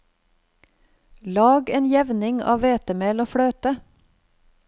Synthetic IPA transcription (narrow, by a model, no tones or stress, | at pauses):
lɑːɡeːnjɛʋnɪŋɑ̰ːʋeːt̪əmeːloːfɽøːt̪ə